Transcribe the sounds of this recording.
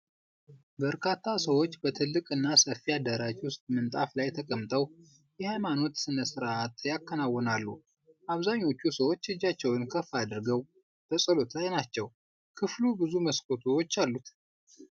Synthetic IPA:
bəɾkʰat̪ʰːasəwo̞t͡ʃːbət̪ʰɨlːɨkʼɨnːasəfːiad̪əɾat͡ʃwʊst̪ʼmɨnt̪ʼaflajt̪ʰəkʼəmt̪ʼəw | jɛhajmano̞t̪sɨnəsɨɾaat̪jakːənawɔnalːu | ʔaβzaɲːo̞t͡ʃːusəwo̞t͡ʃːhɨd͡ʒat͡ʃːɛwɨnkʰəfad̪ɨɾɡəw | b̥əsʼəlo̞t̪ʰlajnat͡ʃːɛw | kʰɨflubɨzuməskʼot̪ʰowot͡ʃːalːut̪

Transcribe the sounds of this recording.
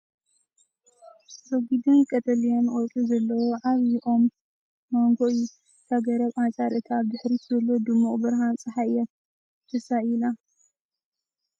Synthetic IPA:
bɐɡid̪ɨnkʼɐt̪ʰɐlijonʔʼɔt̪ʼuzɐlːɐwoʕaβjiʔomː | oŋɡoʔji | t̪ʰaɡɐɾɐβʔant͡sʼaɾʔɨk̪ʰaβd̪ɨħɾit̪ɨzɐlːod̪ɨmːuχʼbɨɾɦant͡sʼɐħaja | t̪ʰɨsaila

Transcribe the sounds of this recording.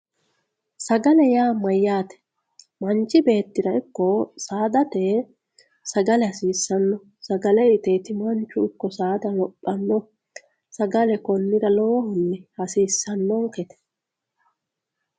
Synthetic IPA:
sɐɡɐlɛjaːmɐjːaːt̪ɛ̥ | mɐnt͡ʃːɪbe̞ːt̪ːɪd̪ɐɪkːɔsaːd̪ɐt̪e | sɐɡɐlɛhɐsiːsːɐnːɔ | sɐɡɐlɛɪt̪eːt̪ɪmɐnt͡ʃːʊɪkːɔsaːd̪ɐlɔpʼːɐnːɔ | sɐɡɐlɛkɔnːɪd̪ɐloːhʊnːɛhɐsiːsːɐnːɔŋkɛt̪ɛ̥

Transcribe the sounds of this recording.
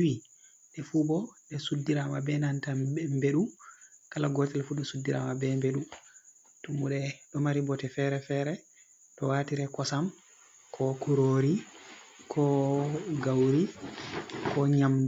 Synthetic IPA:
wi | ɗɛfubɔɗɛsudːiɾamabɛnantaɛmbeɗumkalaɡɔtɛlfuɗɔsudːiɾa̰mabɛmbeɗu | tumːuɗɛɗɔmaɾibɔtɛfɛɾɛfɛɾɛ | tɔwaːtiɾɛkɔsam | kʰɔkuɾoɾi | kʰɔ | ɡawɾi | kɔɲamd

